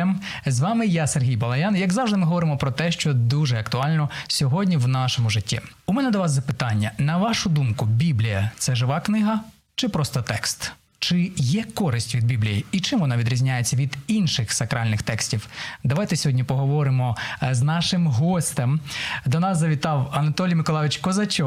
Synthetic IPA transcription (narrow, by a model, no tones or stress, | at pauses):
m | zʋɑmɪjaserɦʲijbɐlˠɐjɑnjɐɡzɑwʒd̪ɪmɪɦɔʋɔɾɪmɔpɾɔt̪ɛʃt͡ʃɔd̪uʒɛɐkt̪ʊɑlʲnɔsʲɔɦɔdʲnʲiwnɑʃɔmʊʒɪtʲːḭ | umɛnɛd̪ɔʋɑzzɐpɪt̪ɑnʲːɐnɐʋɑʃʊd̪umkʊbʲiblʲijɐt̪sɛʒɪʋɑknɪɦɐ | t͡ʃɪpɾɔst̪ɔt̪ɛkst̪ | t͡ʃɪjɛkɔɾɪsʲtʲʋʲid̪̚bʲiblʲijiit͡ʃɪmʋɔnɑʋʲid̪ʲɾʲizʲnʲajet͡sʲːɐʋʲid̪inʃɪxsɐkɾɑlʲnɪxt̪ɛksʲtʲiwd̪ɐʋɑjt̪ɛsʲɔɦɔdʲnʲipɔɦɔʋɔɾɪmɔznɑʃɪmɦɔsʲt̪emd̪ɔnɑszɐʋʲit̪ɑwɐnɐt̪ɔlʲijmɪkɔlˠɑʋɪt͡ʃkɔzɐt͡ʃɔ